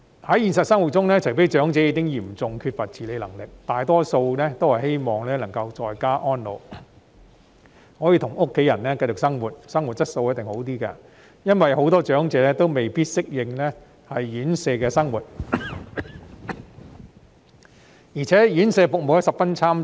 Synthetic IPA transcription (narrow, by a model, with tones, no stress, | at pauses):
hɐ˨˥jiː˨nsɐ˨t̚sɐ˥ŋwu˨˩t̚t͡sʊ˥ŋlɛː˥t͡ʃʰɵ˨˩pe˨˥jt͡ʃœː˨˥ŋt͡sɛː˨˥jiː˨˧kɪ˥ŋjiː˨˩mt͡sʊ˨ŋkʰyː˧t̚fɐ˨t̚t͡sʰiː˨le˨˧jlɐ˨˩ŋlɪ˨k̚t̪aː˨jt̪ɔː˥so˧wnɛː˥t̪o˥whɐ˨jhe˥jmɔː˨˩ŋlɛː˥nɐ˨˩ŋkɐ˧wt͡ʃɔː˨jkaː˥ʔɔː˥nlo̰˨˧w | hɔː˨˥jiː˧t̪ʰʊ˨˩ŋʊ˥kʰːe˨˥jɐ˨˩nlɛː˥kɐ˧jt͡ʃʊ˨ksɐ˥ŋwuː˨˩t̚sɐ˥ŋwu˨˩t̚t͡sɐ˥t̚so˧wjɐ˥t̪̚ɪ˨ŋho˨˥wt̪iː˥kɐ̰˧ | jɐ˥nwɐ˨jho˨˧˥wt̪ɔː˥t͡ʃœː˨˥ŋt͡sɛː˧lɛː˥t̪o˥wme˨jpiː˥t̚sɪ˥k̚jɪ˨ŋlɛ˥ | hɐ˨jjyː˨˥nsɛː˧kɛː˧sɐ˥ŋwuː˨t̚ | jiː˨˩t͡sʰɛː˨˥jyː˨˥nsɛː˧fʊ˨k̚mo˨wjɐ˥sɐ˨p̚fɐ˥nt͡sʰaː˥m